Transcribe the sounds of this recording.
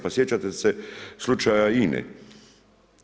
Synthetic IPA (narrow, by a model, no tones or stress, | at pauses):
pasjet͡ʃat̪eseslut͡ʃajainɛ̰